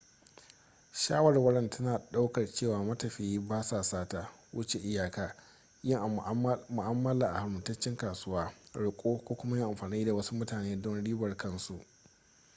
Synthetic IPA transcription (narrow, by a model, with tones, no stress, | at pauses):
ʃaː˦wɐ˨rwɐ˦ɽɐ˦ntʰɐ˦naː˨ɗa˦wkɐ˨rt͡ʃeː˦˨waː˨mɐ˦tɐ˨ɸɪ˨ji˦baː˦saː˨saː˦ta˨wʊ̰˦t͡ʃe˨ʔɪ˦jaː˨kaː˦ | jɪ˦ŋʔa˨mʊ˨ʔa˦mːɐ˦laː˨ʔa˨ha˨mʊ˨tɐ˦t͡ʃːɪ˦ŋkaː˨sʊ˦waː˦ɽʊ˨kʷʼoː˦kʷoː˦kʷʊ˦ma˦jɪ˦ŋʔa˨mɸaː˨niː˦da˨wɐ˦su˦mʊ˦taː˨neː˦dɔ˦nɽiː˦bɐ˨rkɐ˦nsu˨ʔ